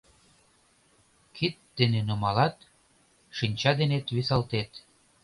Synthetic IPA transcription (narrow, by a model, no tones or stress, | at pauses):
kʰit̪̚d̪enenomɑlɑt̪ | ʃinʲt͡ɕɑd̪enet̪βisɑlt̪et̪